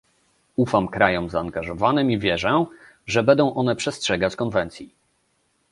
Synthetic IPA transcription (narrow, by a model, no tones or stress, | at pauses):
ufamkɾajɔmzaːŋɡaʐɔvanɘmivʲjɛʐɛ | ʐɛbɛnd̪ɔ̃w̃ʔɔnɛpʂɛstʂɛɡat͡ɕkɔnvɛnt̪sʲji